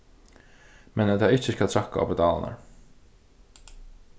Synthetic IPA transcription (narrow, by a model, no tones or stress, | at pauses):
mɛnt̪ʰaɪht͡ʃɪskalt̪ʰɾakːaɔ̰pɛd̪aːl̰na̰ɹ